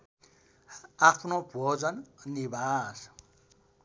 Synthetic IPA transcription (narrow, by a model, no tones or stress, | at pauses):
apʰnobʱod͡zʌnnibas